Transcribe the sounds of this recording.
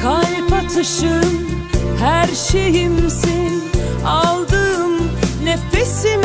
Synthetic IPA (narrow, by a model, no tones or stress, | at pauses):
kʰajpʰat̪ʰɯʃɯm | hæɾʃejimsin | alˠd̪ɯmnefesin